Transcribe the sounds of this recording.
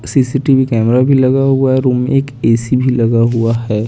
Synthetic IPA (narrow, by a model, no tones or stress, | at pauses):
sisiʈibikɛːmɾabʱilɐɡaɦuaɦɛɾuːmeeːkeːsibʱilɐɡaɦuaɦɛː